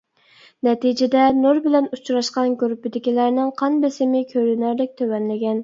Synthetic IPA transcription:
nɛt̪id͡ʒɪd̪ɛnoɾbɪlɛnut͡ʃʰɾɑʃqɑnɡʲøɾpɪd̪ɪkʲilæɾnɪŋqʰɑnbesɪmɪkʲʰøɾynæɾlɪk̚ʲt̪ʰøwɛnlɪɡʲɛn

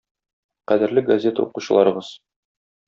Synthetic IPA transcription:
qæd̪ɘ̆ɾlɘɡɐzʲe̞t̪ə̰ṵquɕɤ̆lˠɑ̰ɾɤ̆ʁɤz̥

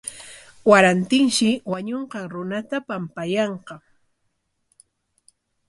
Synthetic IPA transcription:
waɾant̪ɪŋʃɪwaɲoɴqɑŋɾʊnat̪apampajɑɴqɑ

